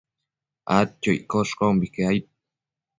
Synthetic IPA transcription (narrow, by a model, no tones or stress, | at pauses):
a̰t̪t͡ʃoj̰koʃqombikeajt̪̚